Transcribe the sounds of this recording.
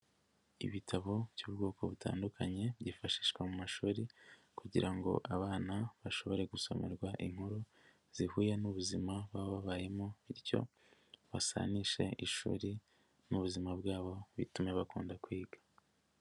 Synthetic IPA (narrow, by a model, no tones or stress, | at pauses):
ḭβitʰaβo̞βjuːbɡo̞ːko̞βutʰa̰ːndukʰaɲe̞βɟifaʃi̥ːʃkwamumaʃuːɾi | kuɟiɾʔaŋɡo̞̰ʔaβaːnaβaʃo̞βo̞ɾe̞ɡuso̞̰me̞̰ɾɡwaʔiŋhuɾu | z̥ihuːjanuβuzimaβaβoβaβaje̞moiɾjo̞̰ | βasa̰niʃe̞̰ʔiʃṵːɾi | nuβuzimabɡaːβo̞βitume̞βakuːndakwiːɡḁ